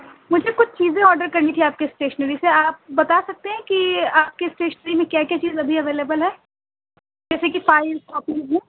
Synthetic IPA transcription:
mʊd͡ʒʱekʊt͡ʃʰt͡ʃiːzẽɔːɾɖəɾkɐɾnit̪ʰiaːp̚kesʈeːʃənəɾiseaːp̚bɐt̪asɐk̚t̪eɦɛ̃kiaːp̚kesʈeːʃənəɾimẽkjaːkjaːt͡ʃiːzɐbʱiɐʋeːleːbəlɦɛː | d͡ʒɛːsekifaːɪɾskɔːpiɦũː

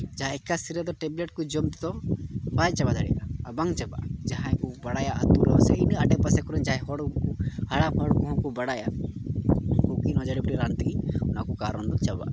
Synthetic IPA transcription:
d͡ʒaɦãɛkasiɾɛd̪ɔʈɛbleʈkud͡ʒɔmt̪t̪ɔbat͡ʃabad͡ʒ̪aɽḭʔaːbaŋt͡ʃaba̰ʔd͡ʒaɦãkubaɽajaʔat̪ulɔsɛinaɖɛpasɛkɔɾɛɲd͡ʒaɦɛ̃ɦɔɽkuhaɽamɦɔɽkɔɦɔ̃kubaɽaja | kukinɔd͡ʒaɽipɔʈiɾant̪ɛɡiɔnakukaɾɔnd̪ɔt͡ʃaba̰ʔ

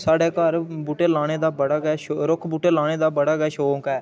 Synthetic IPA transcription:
saːɖeːkəɾbuːʈeːlaːɽeːd̪aːbəɽaːɡɛɾʊkʰbuːʈeːlaːɽ̃eːd̪aːbəɽaːɡɛːʃoːkɛː

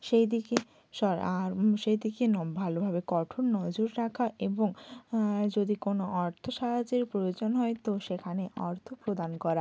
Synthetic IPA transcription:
ʃejd̪ike | ʃɔɾaɾʃejd̪ikenɔbʱalobʱabekɔʈʰonnɔd͡ʑoɾːakʰaʔeboŋ | d͡ʑod̪ikonoʔɔɾt̪ʰoʃaɦad͡ʑeɾpɾojod͡ʑonɦɔet̪oʃekʰaneʔɔɾt̪ʰopɾod̪ankɔɾa

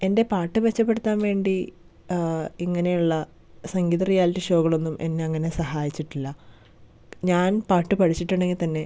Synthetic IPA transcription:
e̞nde̞paːʈːɨʋet͡ɕːɐpːe̞ɽut̪ːaːnʋe̞ːɳɖi | iŋːɐne̞juɭːɐ | sɐŋɡiːðɐrijaːliʈːiʂo̞ːɣɐɭo̞nːumʔe̞̰nːe̞ɐŋːɐne̞sɐɦaːjit͡ɕːiʈːilːɐ | ɲaːnpaːʈːɨpɐʈʰit͡ɕːiʈːuɽeŋːit̪ɐnːe̞

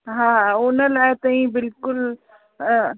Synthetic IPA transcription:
ɦãːɦãʊnəlaːet̪ɐĩbɪlkʊl

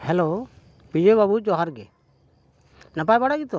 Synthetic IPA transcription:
hɛlo | bid͡ʒebabud͡ʒɔɦaɾɡɛ̰ | napajbaɽaɡit̪ɔ

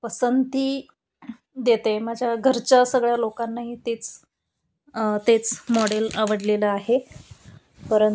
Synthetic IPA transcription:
pəsənt̪iː | d̪jet̪emad͡ʑʱjaɡʱəɾt͡ɕasəɡɭjalokanːaɦiːt̪et͡s | t̪et͡smoɽelaʋəɽleləaɦe | pəɾən

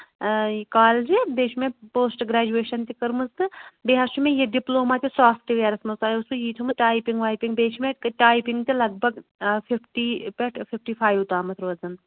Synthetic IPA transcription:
jkaːld͡ʒid̪eːʃʰmẽpoːsʈɡɾaːd͡ʒueːʃɐnt̪ikɐɾmɨzt̪ɨbeɦɐʃumẽjeɖiploːmat̪ʲisaːfʰʈiʋeːɾɐsmɐsaːjusujiːʈ̪ʰɐmɨʈaːjpiŋɡʋaːjpiŋɡbeːt͡ʃʰmẽʈaːjpiŋɡt̪ilɐɡ̚bʱɐɡfʰipʰʈiːpeʈfʰipʰʈiːpʰaːjʋut̪aːmɐt̪ʰɾoːzɐn

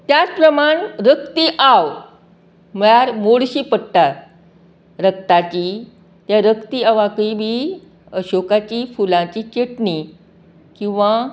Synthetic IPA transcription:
t̪jat͡spɾəmaɳɾəkt̪iʔaʋ | mɭaɾmoɽɕiːpəɽt̪at̪ | ɾək̚t̪at͡ɕiː | t̪jaɾəkt̪iaʋakibʱiː | əɕokat͡ɕifulãt͡ɕit͡ɕeʈni | kĩw̃ʋa

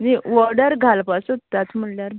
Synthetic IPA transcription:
niʋɔɾɖəɾɡʱalpasut̪ːat͡sm̤əlljaɾ

